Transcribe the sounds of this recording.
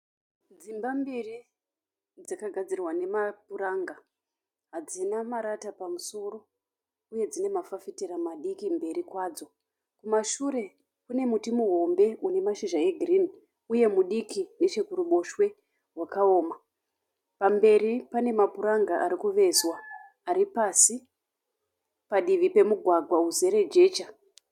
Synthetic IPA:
d͡zimbambiri | d͡zakaɡʱad͡zirwane̞mapuɾaːŋɡa | ɦad͡zinamaɾatapamuso̞ro̞ | uje̞d͡zine̞mafafitiɾamaɗikimbe̞ɾikwaːd͡zo̞ | kumaʃuɾe̞ | kune̞mutimuɦo̞mbe̞une̞maʃiʒae̞ɡʱrini | uje̞muɗikine̞t͡ʃekuɾuɓo̞ʃwe̞ | ɦwakao̞ːma | pambe̞ɾipane̞mapuɾaŋɡaʔaɾikuʋe̞zwaː | ɾipasi | paɗiʋipe̞muɡʱwaɡʱwauze̞ɾe̞d͡ʒe̞ːt͡ʃa

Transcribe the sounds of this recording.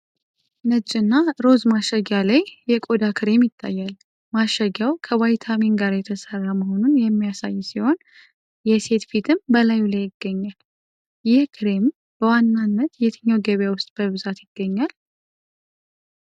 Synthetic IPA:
nət͡ʃʼːɨnːaɾo̞zmaʃəɡjalajjɛkʼo̞d̪akʰɨɾe̞mjɪt̪ʰʼːa̰jːal | maʃəɡjawkʰəwajt̪ʰaminɡaɾjɛt̪ʰəsərːaməho̞nunjɛmːijasajːsiho̞n | jɛse̞t̪fit̪ʰɨmbəlajulajɪɡːəɲːal | jɪhkʰɨɾe̞m | b̥əwanːanːət̪jet̪ʰəɲːawɡəβjawʊst̪ʼb̥əβɨzat̪jɪɡ̥ːəɲːal

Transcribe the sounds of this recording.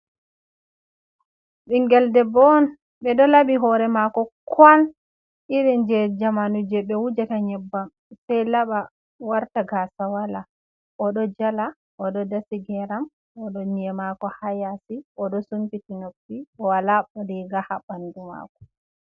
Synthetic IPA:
ɓiŋɡɛldɛbɔn | ɓɛɗɔlaɓiɦɔɾɛmakɔkʰwal | iɾind͡ʒɛd͡ʒamanud͡ʒɛɓɛwud͡ʒataɲɛbːam | sɛjlaɓa | waɾtaɡasawala | ʔɔɗɔd͡ʒala | ʔɔɗɔdasiɡɛɾam | ɔɗɔɲɛmakɔhajasiʔɔɗɔsumpitinofːiɔwalaɔɾiɡahabanduma̰kɔ̥

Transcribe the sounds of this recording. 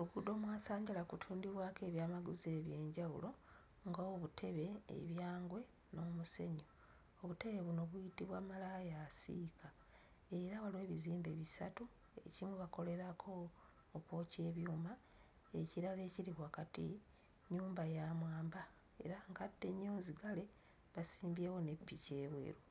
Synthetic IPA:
oluɡudo̞ːmwaːsaːɲɟalakutʰuːndiβwaːkeːβjaːmaɡuzeːβje̞ːɲɟaṵlʔo̞ | ŋɡaoβutʰe̞βe̞̰ːβjaːŋɡwe̞ | no̞muse̞ɲo | oβute̞βe̞βuno̞βujitiβwaːmalajasḭkʰa | e̞ɾaβalwe̞ːβiziːmbe̞βisa̰tu | e̞̰cimuβako̞le̞ɾakʰo̞ː | koːce̞ːβjuːma | e̞ciɾale̞ːciɾiβwaːkatḭ | ɲuːmbajaːmwaːmba | e̞̰ɾaŋɡadːe̞ɲːoːziɡale̞ | βasiːmbje̞ːwo̞ne̞pːice̞ːβwe̞̰ːɾu

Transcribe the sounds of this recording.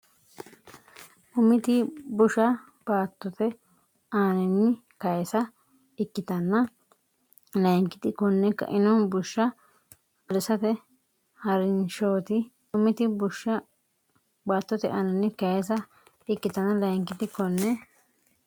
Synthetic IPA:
ʔʊmːɪt̪ɪbʊʃɐ | b̥aːt̪ːɔt̪ɛ | aːnɛnːɪ | kɐjɛsɐ | ɪkːɪt̪ɐnːɐ | lɐjŋkɪt̪ɪkɔnːɛkːɐ̰ʔɪnɔnbʊʃːɐ | ɐlɪsɐt̪ɛ | hɐɾɪnʃoːt̪ɪ | ʊmɪt̪ɪbʊʃːɐ | baːt̪ːɔt̪ɛʔaːnɛnːɪkɐjɛs̬ɐ | ɪkːɪt̪ɐnːɐlɐjŋkɪt̪ɪkɔnːɛ

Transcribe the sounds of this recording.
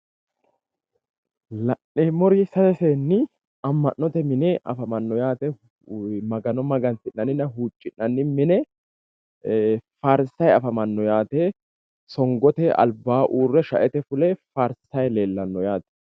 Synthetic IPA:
lɐʔːemɔɾɪsɐt̪ɛseːnːɪ | ɐmːɐnːɔt̪ɛmɪnɛʔɐfɐmɐnːɔjaːt̪ɛ | mɐɡɐnɔmɐɡɐnt̪ɪnːɐnɪnɐɦuːt͡ʃʼːɪnːɐnːɪmɪnɛ | fɐɾsɐjɐfɐmɐnːɔjaːt̪ɛ | sɔŋɡɔt̪ɛʔɐ̰lbːaːʔuːrːɛʃɐ̰ʔɛt̪ɛfʊlɛfɐɾsɐjleːlːɐnːɔjaːt̪ɛ̥

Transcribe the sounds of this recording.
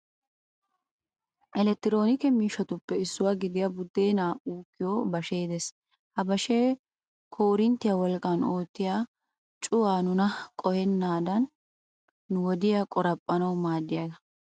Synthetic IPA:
ʔɛlɛt̪ːɪɾo̞ːnɪkɛmiːʃːɐt̪ʊpːɛɪsːʊwaːɡɪd̪ɪjɐbʊd̪ːe̞ːnaːuːkːɪjoːbɐʃeːd̪es | hɐbɐʃeː | kʰo̞ːɾɪnt̪ːɪjɐwɔlkʼːɐno̞ːt̪ːɪjaː | t͡ʃʼʊwaːnʊnɐkʼɔhɛnːaːd̪ɐnː | ʊwɔd̪ɪjaːkʼɔɾɐpʼːɐnɐwmaːd̪ːɪjɐd̪ɐ

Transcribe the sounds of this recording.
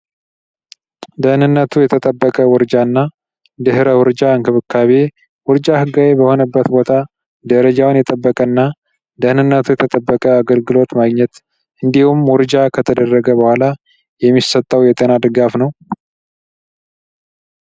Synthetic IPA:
d̪əhnɨnːət̪ʰujɛt̪ʰət̪ʼəbːəkʼəwɔɾd͡ʒanːa | d̪ɨɦɾəwɔɾd͡ʒaɨŋkʰɨβɨkʰːaβe | wɔɾd͡ʒahɨɡawebəho̞nəbːət̪bo̞t̪ʰa | d̪əɾəd͡ʒawnjɛt̪ʼəbːəkʼənːa | d̪əhnɨnːət̪ʰujɛt̪ʰət̪ʼəbːəkʼəaɡəlɡɨlo̞t̪maɡɲɛt̪ | ʔɨnd̪ihumwɔɾd͡ʒakʰət̪ʰəd̪ərːəɡəbəhʷala | jɛmːisət̪ʼːəwjɛt̪ʼenad̪ɨɡafnəw

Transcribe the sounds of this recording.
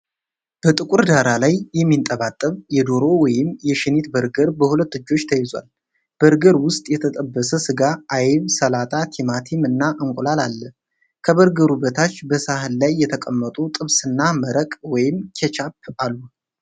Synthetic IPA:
b̥ət̪ʼɨkʼuɾd̪aɾalajːɛmːint̪ʼəβat̪ʼːəβjɛd̪o̞ɾo̞wɔjɪmjɛʃɪnet̪bəɾɡəɾbəhulət̪ːɨd͡ʒːo̞t͡ʃːt̪ʰəjɪzwa̰l | b̥əɾɡəɾwʊst̪ʼjɛt̪ʰət̪ʼəbːəsəsɨɡaːjβsəlat̪ʼʰat̪ʰimat̪ʰimɨnːaʔɨŋkʷʼulalalːə | kʰəbəɾɡəɾubət̪ʰat͡ʃːbəsaɦɨlːajːɛt̪ʰəkʼəmːət̪ʼut̪ʼɨβsɨnːaməɾəkʼwɔjɪmkʰet͡ʃʰap̚alːu

